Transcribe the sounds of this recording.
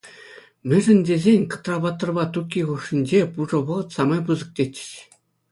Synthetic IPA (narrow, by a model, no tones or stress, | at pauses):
mʲɘ̆ʐɘ̆nʲd̪ʲezʲenʲkɤ̆t̪rɑβɑt̪ːɤ̆rβɑt̪ukʲːiʁuʂĭnʲd͡ʑepuʐɤ̆βɤ̆ʁɤ̆t̪sɑmɑjpuzɤ̆k̚tʲet͡ɕʲːɘ̥̆ɕ